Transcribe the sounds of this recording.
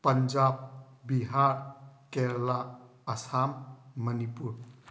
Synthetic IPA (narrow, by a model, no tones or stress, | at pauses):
pənd͡ʒab̚biɦaɾkeɾla | əsamːənipuɾ